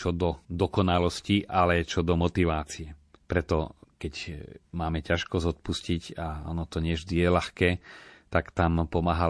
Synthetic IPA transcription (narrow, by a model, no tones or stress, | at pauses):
t͡ʃɔd̪ɔd̪ɔkɔnalɔsciʔalɛt͡ʃɔd̪ɔmɔt̪iʋaːt͡sijɛpɾɛt̪ɔkɛcmaːmɛcaʃkɔzɔt̪̚puscicaɔ̰nɔt̪ɔɲɪɛʒd̪ijɛlaxkɛːt̪akt̪ampɔmaːɦa